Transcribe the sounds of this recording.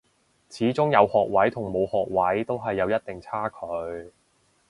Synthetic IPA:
t͡sʰiː˨˥t͡sʊ˥ŋjɐ˨˧whɔː˨k̚wɐ˨˥jt̪ʰʊ˨˩ŋmo˨˧whɔː˨k̚wɐ˨˥jt̪o˥wɦɐ˨jːɐ˨˧wjɐ˥t̚t̪ɪ˨ŋt͡sʰaː˥kʰɵ˨˧ɥ

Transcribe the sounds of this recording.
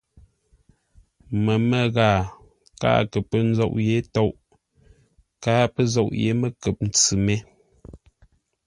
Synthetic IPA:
mə˨mə˦˨ɣaː˨ | ka̰ː˦kə˨pə˦n̩˦zɔ̰˦˨ʔje˨˦tɔ˦ʔ | kaː˦pə˦zɔ˦˨ʔjḛ˨˦mə˦kə˨p̚n̩˨t͡sɨ˨mɛ˦

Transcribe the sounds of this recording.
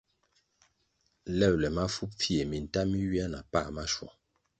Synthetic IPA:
lɛ˦˨wlɛ˨ma˦fu˦p̚fi˦e˨mi˨n̩˨ta˦mi˦ɥi˦a˦na˨pa˦˨ma˦ʃwɔ̰˨

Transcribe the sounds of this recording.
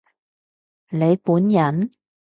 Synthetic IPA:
le˨˧jpuː˨˥njɐ˨˥n

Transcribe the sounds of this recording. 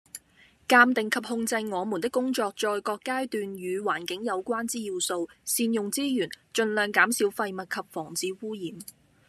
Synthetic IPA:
kaː˧mt̪ɪ˨ŋkʰɐ˨p̚hʊ˧ŋt͡sɐ˧jŋɔː˨˧mu˨˩nt̪ɪ˥kːʊ˥ŋt͡sɔː˧k̚t͡ʃɔː˧jkɔː˧kːaː˥jt̪yː˨njyː˨˧waː˨˩nkɪ˨˥ŋjɐ˨˧wkʷaː˥nt͡siː˥ji˨˧wso˧wsiː˧njʊ˨ŋt͡siː˥jyː˨˩n | t͡ʃɵ˧nlœː˨˩ŋkaː˨˥msiː˨˥wfɐ˧jmɐ˨t̚kʰɐ˨p̚fɔː˨˩ŋt͡siː˨˥wuː˥jiː˨˩m

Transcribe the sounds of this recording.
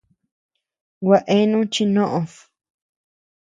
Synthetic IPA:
wʷa˧ʔe˦nũ˦t͡ʃi˧nõ˦ʔõ˧s

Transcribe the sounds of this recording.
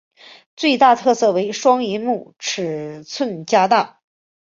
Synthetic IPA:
t͡swe˥˧ɪt̪a˥˧t̪ʰɤ˥˧sɤ˥˩we˧˥ɪʂwɑ˥ŋi˧˥mu˥˩ʈ͡ʂʰɻ̩˨˩t͡sʰwə˥˩nt͡ɕja˥t̪a˥˩

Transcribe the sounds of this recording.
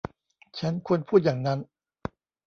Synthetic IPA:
t͡ɕʰa˦˥nkʰu˧ənpʰuː˥˩t̪̚jaː˨˩ŋna˦˥n

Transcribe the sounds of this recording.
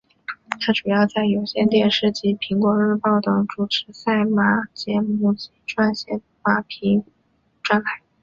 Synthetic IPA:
t̪ʰa˥ʈ͡ʂu˨˩jɑ˥˧ʊt͡sa˥˩ɪjo˨˩ʊɕjɛ˥nt̪jɛ˥˧nʂɻ̩˥˩t͡ɕi˧˥pʰi˧˥ŋkwɔ˧˥ɻɻ̩˥˧pɑ˥˩ʊt̪ɤ˨˩ŋʈ͡ʂu˨˩ʈ͡ʂʰɻ̩˧˥sa˥˩ɪma˧˥t͡ɕjɛ˧˥mu˥˩t͡ɕi˧˥ʈ͡ʂwa˥˧nɕjɛ˥˩n | ma˧˥pʰi˧˥ŋ | ʈ͡ʂwa˥˧nta˥˩ɪ

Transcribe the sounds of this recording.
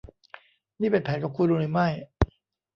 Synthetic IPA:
niː˥˩pe˧npʰɛː˩˦nka˨˩p̚kʰuː˧nɾuː˧nɾɯ˩˦ma˥˩j

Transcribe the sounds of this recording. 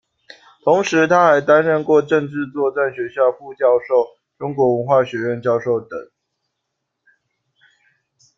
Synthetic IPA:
t̪ʰʊ˨˦ŋʂɻ̩˨˦t̪ʰa˦˥xa˨˦ɪt̪a˦nɻə˥˧nkwɔ˥˨ʈ͡ʂə˥˧ŋʈ͡ʂɻ̩˥˧t͡swɔ˥˧t͡sa˥˩nɕɥɛ˧˥ɕjɑ˥˧ʊfu˥˧t͡ɕjɑ˥˧ʊʂo˥˨ʊ | ʈ͡ʂʊ˥ŋkwɔ˨˧˥wə˧˦nxwa˥˩ɕɥɛ˧˥ɻə˥˨nt͡ɕjɑ˥˧ʊʂo˥˩ʊt̪ə̰˨˩˦ŋ

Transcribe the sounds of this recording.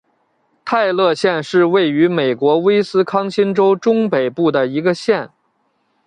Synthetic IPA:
t̪ʰa˥˧ɪlɤ˥˧ɕjɛ˥˧nʂɻ̩˥˧we˥˩ɪy˧˥me˨˩ɪkwɔ˧˥we˥ɪsɹ̩˥kʰɑ˥ŋɕi˥nʈ͡ʂo˥ʊʈ͡ʂʊ˥ŋpe˨˩ɪpu˥˩d̪ə˩i˧˥ɡə˧ɕjɛ˥˩n

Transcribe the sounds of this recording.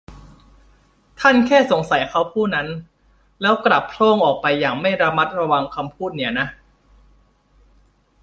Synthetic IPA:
t̪ʰa˥˩nkʰɛː˥˩so˩˦ŋsa˨˩˦jkʰa˦˥wpʰuː˥˩na˦˥n | lɛː˦˥wkɾa˨˩p̚ʰloː˥˩ŋʔɔː˨˩k̚pa˧jːaː˨˩ŋma˥˩jɾa˧ma˦˥t̪̚ɾa˧wa˧ŋkʰa˧mpʰuː˥˩t̪̚ni˩˦ɐna˦˥ʔ

